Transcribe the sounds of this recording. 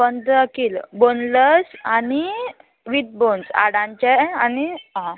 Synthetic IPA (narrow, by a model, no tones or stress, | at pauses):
bənd̪əkiːlbonləsani | ʋit̪̚bonsa̰ɽãɲt͡ɕɛaniɦã